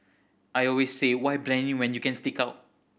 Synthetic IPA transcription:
ʔajɔlwesːewajblɛ̃mĩŋwɛ̃njukɛ̃nstikaʊt̚

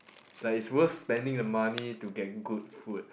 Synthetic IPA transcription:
d̥atitswəθspɛ̃ndɪ̃ŋdəmanituɡɛt̚ɡud̚fud̚

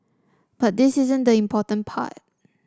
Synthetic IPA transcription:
b̥at̚dɪsɪzə̃ndəĩmpʰɔtə̃npʰa̰t̚

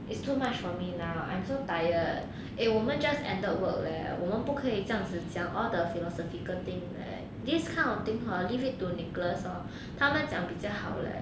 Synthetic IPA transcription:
ʔɪtstʰumat͡ʃfɔminaʊʔã̰ɪ̃msoʊdaɪlə̃t | ʔewɔmə̃nd͡ʒɐstɛ̰̃ndəwək̚lɛ̰wɔmə̃npukʰəit͡səjɑŋd͡z̩t͡ɕjɑŋʔɔld̪əfilɔsɔfikəlt̪ɪ̃ŋlḛ | d̪iskʰãɪ̃nɔt̪ĩŋkɔlifit̚t̪unikləsɔ | t̪ʰamənt͡ɕjãŋpit͡ɕjaʊhaʊlə̰

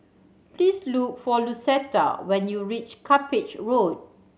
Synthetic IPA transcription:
plisluk̚fɔlusɛta̰wɛ̃njuɹit͡ʃkʰapɪt͡ʃɹod̚

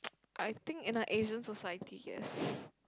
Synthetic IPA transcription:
ʔajt̪ɪ̃ŋkɪ̃naʔeʒə̃nsɔsajətʰijɛ̰s

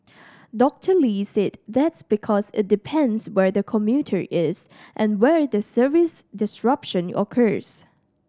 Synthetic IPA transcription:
dɔk̚tʰəlisedðɛtsbikʰɔsɪ̰t̚dɪpʰɛ̃nswɛɹdəkʰɔ̃mjutʰə̰ɹʔɪsʔɛ̃nwɛɹdəsəvɪsdɪsɹapʃə̃nɔ̰kʰəɹs

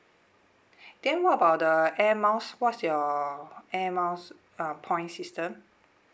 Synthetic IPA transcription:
d̥ɛ̃nwɔtəbaʊt̚dəɛmaʊswɔtsjɔ | ɛmaʊs | ãpʰɔ̃ɪ̃nsistə̃m

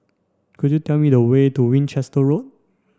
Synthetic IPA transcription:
kudjutɛlmidəwetuwĩnt͡ʃɛstəɹot̚

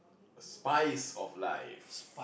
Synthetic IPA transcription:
əspaɪsɔ̰vla̰jf

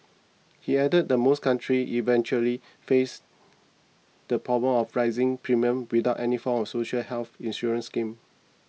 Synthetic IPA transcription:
hiɛdəd̚dəmoskʰãntʰɹiʔivɛ̃nt͡ʃuəli | fes | d̥əpʰɹɔblə̃mɔfɹaɪzɪ̃ŋpʰɹimiə̃mwidaʊʔɛnifɔ̃mɔfsoʃəlhɛlθĩnsɔɹə̃nskĩm

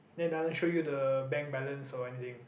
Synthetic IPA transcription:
dɛ̃ndalə̃nʃojudəbɛ̃ŋ̚bɛlə̃nsɔɛnit̪ɪ̃ŋ

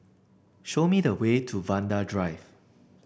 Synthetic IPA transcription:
ʃomidəwetʰuvãndadɹaɪv

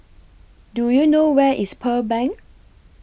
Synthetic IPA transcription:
dujunowɛʔispʰəbɛ̃ŋk

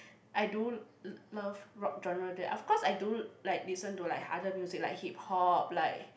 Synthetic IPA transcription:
ʔajdu | ləvɹɔk̚d͡ʒɔ̃nəɹədiʔɔfkɔsajdulaɪk̚lisə̃ntulaɪkadəmjuzik̚lajk̚hip̚hɔp̚laɪk̚

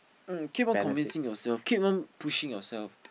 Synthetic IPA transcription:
kʰip̚ɔ̃kʰɔ̃mvĩnsɪ̃ŋjɔsɛlfkʰip̚nɔ̃npʰuʃɪ̃ŋjɔsɛlf

